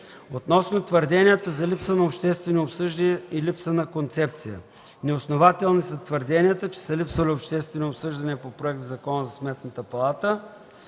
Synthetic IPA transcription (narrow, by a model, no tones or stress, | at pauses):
ot̪nɔsnot̪vəɾd̪ɛnijət̪əzɐlipsənɐopʃt̪ɛst̪vɛniopsɤʒd̪iɛilipsənɐkont̪sɛp̚t̪sijə̰ | nɛosnovat̪ɛlˠnisɐt̪vəɾd̪ɛnʲijət̪ət͡ʃɛ̥səlipsvɐliopʃt̪ɛst̪vɛniopsɤʒd̪ɐniəpopɾoɛk̚t̪zzɐkɔnəzɐsmɛt̪nət̪əpɐlˠat̪ə